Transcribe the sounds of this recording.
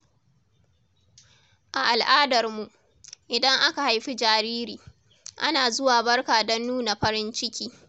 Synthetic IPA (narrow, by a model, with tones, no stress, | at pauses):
ʔa˨ʔa˨lʔaː˦dɐ˨rmu˨ʔ | ʔɪ˨dɐ˦ŋʔa˦ka˨ha˨jɸi˦d͡ʒaː˨ɾiː˦ɾiː˨ | ʔa˦naː˨zʊ˦waː˨bɐ˦rkaː˨dɔ˦nːuː˦na˨ɸɐ˦ɾɪ˦nt͡ʃɪ˦kʲiː˦